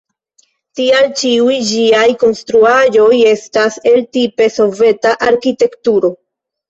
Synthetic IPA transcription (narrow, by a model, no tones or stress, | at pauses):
tialt͡ʃiujd͡ʒiajko̞nstɾuaʒo̞je̞stase̞ltipe̞so̞ve̞taʔaɾkite̞ktuɾo̞